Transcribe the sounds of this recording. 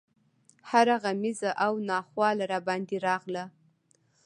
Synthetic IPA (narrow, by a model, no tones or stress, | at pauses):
haɾaɣamizaʔawnɑχwɑlaɾabɑnd̪iɾɑʁla